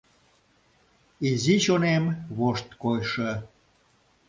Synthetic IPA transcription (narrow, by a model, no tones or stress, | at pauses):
iziʃonemβoʃt̪kojʃə